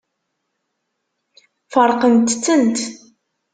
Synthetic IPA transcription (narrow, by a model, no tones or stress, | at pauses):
fəɾˤqənt̪t͡sːənt̪